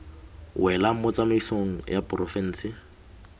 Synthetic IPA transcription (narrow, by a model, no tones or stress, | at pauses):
wɛlam̩mʊt͡sʼameisoŋ̩japʼrɔfɛn̩ːsɪ